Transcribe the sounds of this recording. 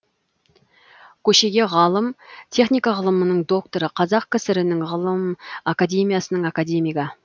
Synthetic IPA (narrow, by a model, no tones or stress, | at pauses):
kʲʰɵʃe̞ɡʲe̞ʁɑlˠəmt̪ʰe̞χnijkɑʁəlˠəmənəɴd̪o̞k̚t̪o̞ɾəqʰɑzɑq̚kʲʰɪsɪɾɪnɪŋʁəlˠəmakad̪ʲe̞mijasənəɴakad̪e̞mijkɑ